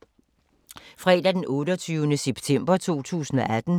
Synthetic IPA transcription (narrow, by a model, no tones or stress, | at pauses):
fʁɛ̰ːd̥æd̥enɔ̽ːɾɒt͡sʰyːʊənəseb̥t͡sʰem̰b̥ɐt͡sʰo̝̰ːt͡sʰṵːsn̩ɒʔæd̥n̩